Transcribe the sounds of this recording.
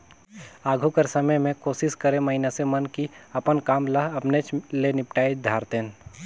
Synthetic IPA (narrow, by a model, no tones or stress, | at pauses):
aːɡʱukəɾsəməjmẽkoːsɪʃkəɾemɐɦɪnasemənkiɐpənkaːmlaɐpnet͡ʃlenɪpʈaːid̪ʱaːɾt̪ẽn